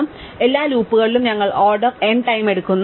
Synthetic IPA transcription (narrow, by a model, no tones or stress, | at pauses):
m | e̞lːaːɾuːpːuɣɐɭilumɲɐŋːɐɭoːɖɐrenʈɐjme̞ɽukːunː